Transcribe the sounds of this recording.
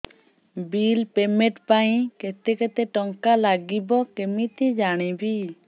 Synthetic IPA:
bilpɛmɛʈpaj̃kɛt̪ɛkɛt̪ɛʈɔŋkalaɡibɔkɛmit̪ɛd͡ʒaɽ̃ĩbi

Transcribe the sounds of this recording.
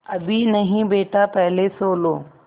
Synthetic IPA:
ɐbinɐɦĩbeːʈapɐɦɪlesoːloː

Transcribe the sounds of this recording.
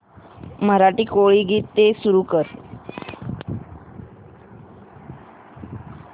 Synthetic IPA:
məɾaʈiːkoɭiːɡiːt̪ːesuɾuːkəɾ

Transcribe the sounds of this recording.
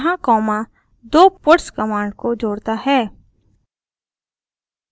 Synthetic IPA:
ɦãkɔːmã | d̪oːpʊʈskɐmaːɳɖkod͡ʒoːɽt̪aɦɛː

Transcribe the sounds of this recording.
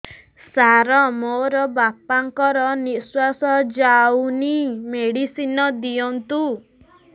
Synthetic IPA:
saɾɔmoɾɔbapaŋkɔɾɔniswasɔd͡ʒawnimeɽisinɔd̪ijɔnt̪u

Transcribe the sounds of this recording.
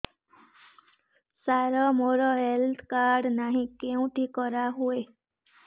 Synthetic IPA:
saɾɔmoɾɔɦelt̪ʰkaɾɖnaɦĩkeũʈikɔɾaɦue

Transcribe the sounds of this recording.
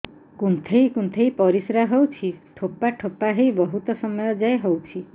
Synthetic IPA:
kunt̪ʰejkunt̪ʰejpɔɾisɾaɦowt͡ʃʰiʈʰopaʈʰopaɦejbɔɦut̪ɔsɔmɔjɔd͡ʒaeɦowt͡ʃʰi

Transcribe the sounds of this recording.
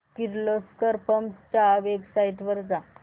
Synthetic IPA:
kiɾloskəɾpəmt͡ɕaʋeɡsajʈʋəɾd͡za

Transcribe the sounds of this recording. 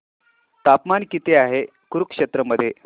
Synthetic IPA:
t̪apmankit̪eaɦe | kuɾukʂet̪ɾəməd̪ʱːje

